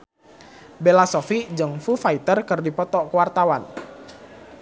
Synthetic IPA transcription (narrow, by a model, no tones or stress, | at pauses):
belasɔfid͡ʒɨŋfufait̪ərkɨrdipɔt̪ɔkəwart̪awan